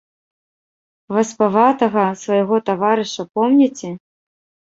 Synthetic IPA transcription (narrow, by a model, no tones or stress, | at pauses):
vɐspavat̪ɐɣɐsvɐjɣɔt̪avaɾɨʂɐpɔmnʲɛt͡sʲɛ